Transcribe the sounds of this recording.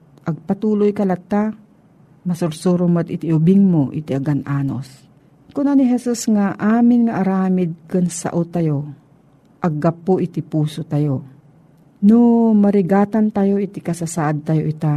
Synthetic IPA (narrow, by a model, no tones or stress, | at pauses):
ʔɐɡ̚pɐt̪uːlojkɐlɐt̪ːa | mɐsʊɾsuɾʊmɐt̪ɪt̪ɪʔʊbɪŋmoʔɪ̰t̪ɪʔaɡanʔaːno̰s | kʊnanɪɦɛsusŋaʔaːmɪnŋɐʔaɾaːmɪd̪̚kʊnsa̰ʔot̪ɐjo | ʔɐɡːɐpoʔɪt̪ɪpuːsot̪ɐjo | nomɐɾɪɡaːt̪ant̪ajoʔɪt̪ɪkɐsasaʔad̪̚t̪ɐjoʔɪt̪a